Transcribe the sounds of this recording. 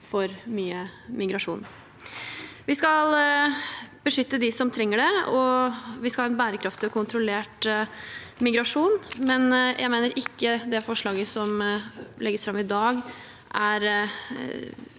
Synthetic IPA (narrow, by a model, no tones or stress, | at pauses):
fɔɾmyːəmɪɡɾɑʂṵːn | ʋɪskɑl | b̥əʂʏt̪ːəd̪ɪsɔmt̪ʰɾɛŋːəɖɛɔʋɪskɑlɑːɛnbæːɾəkʰɾɑft̪ɪɔkʰʊnt̪ɾʊleːʈ | mɪɡɾɑʂuːnmɛnjʔæ̰ɪmeːnəɾʔɪkːəd̪ɛfɔʂɭɑːɡəsɔmlɛɡəsfɾɑmːɪd̪ɑːɡ | ʔæɾ